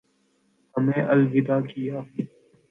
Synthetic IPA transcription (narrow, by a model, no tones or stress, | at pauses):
ɦɐmeːʔɐlʋɪd̪aːkijaː